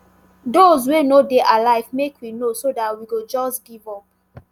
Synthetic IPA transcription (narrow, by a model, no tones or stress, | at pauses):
dozwenodeʔalaɪvmekʰwinosodatwiɡod͡ʒɔsɡivɔp̚